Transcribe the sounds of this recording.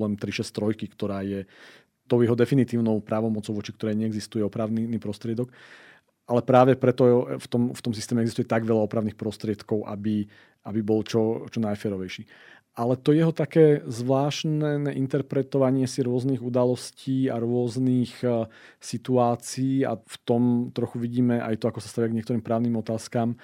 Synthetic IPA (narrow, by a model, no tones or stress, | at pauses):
lɛnt̪ɾiʃɛst̪ɾɔjkikt̪ɔɾaːjɛ | t̪ɔʊjɛɦɔd̪ɛfinit̪iːʊnɔʊpɾaːʋɔmɔt͡sɔʊʋɔt͡ʃikt̪ɔɾɛːjɲɛɛɡzist̪ujɛɔpɾaʊnnipɾɔst̪ɾɪɛd̪ɔk | ʔalɛpɾaːʋɛpɾɛt̪ɔft̪ɔmft̪ɔmsist̪ɛmɛɛɡzist̪ujɛt̪aɡʋɛʎaɔpɾaʊniːxpɾɔst̪ɾɪɛt̪kɔʊʔa̰bi | abibɔlt͡ʃɔt͡ʃɔnajfɛːɾɔʋɛjʃiː | ʔalɛt̪ɔjɛɦɔt̪akɛːzʋlaːʃnɛʔint̪ɛɾpɾɛt̪ɔʋaɲɪɛsiɾʊɔzniːɣud̪alɔsciːaɾʊɔzniːx | sit̪uaːt͡siiːa̰ft̪ɔmt̪ɾɔxuʋiɟiːmɛʔa̰jt̪ɔakɔsast̪aʋiaɡɲɪɛkt̪ɔɾiːmpɾaːʊniːmɔt̪aːskam